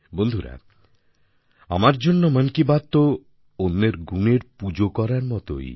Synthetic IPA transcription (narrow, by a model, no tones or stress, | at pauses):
bond̪ʱuɾa̰ | a̰maɾd͡ʒonːomankibat̪ːo | onːeɾɡuneɾpud͡ʒokɔɾaɾmɔt̪o̰j